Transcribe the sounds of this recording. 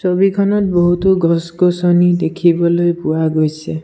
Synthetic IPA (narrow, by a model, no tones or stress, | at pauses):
sobikʰɔnɔt̪̚bɔɦut̪ɔɡɔsɡɔsɔnid̪ekʰibɔlojpuaɡojsʰe